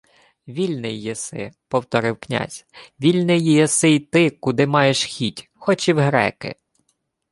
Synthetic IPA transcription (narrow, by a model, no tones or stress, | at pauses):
ʋʲilʲnɪjːesɪ̰pɔwt̪ɔɾɪwknʲa̰zʲʋʲilʲnɪjjɛsɪt̪ɪkʊd̪ɪmɑjeʃxʲitʲ | xɔt͡ʃiwɦɾɛ̰kɪ̰